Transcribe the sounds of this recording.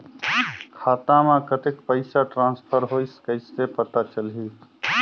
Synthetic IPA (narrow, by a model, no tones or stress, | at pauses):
kʰaːt̪ãmẽkət̪ekpəɪsaʈɾãnspʰəɾɦojsə̥kəɪsːepət̪at͡ʃəlɦi